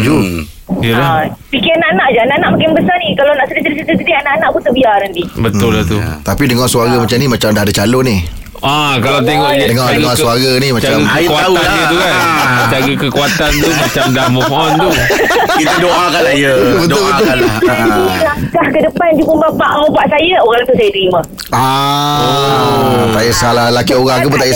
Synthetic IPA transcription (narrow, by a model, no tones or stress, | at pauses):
d͡ʒu | iəlaapikianaʔanaʔd͡ʒaanaʔanaʔmakɪnbəsanikalawnaʔsədisəɾis̬ət̪əsədianaʔanaʔpunt̪əbiaɾand̪ibət̪ʊlat̪ut̪apidəŋarsuaɾamat͡ʃamnimat͡ʃamdaɦdat͡ʃaloni | akalat̪eŋɔʔdəŋadəŋasuaɡanimat͡ʃamkasajat̪ukand͡ʒaɡakəkuat̪ant̪umat͡ʃamdamɔ | ɔnt̪u | kit̪adoakalaiəbət̪ʊlbəʊlailakahkədəpand͡ʒukəbapaʔobaʔsajəoɣaŋt̪usajədəɾimã | a | sajəsalalakioɣaŋkupunt̪ajə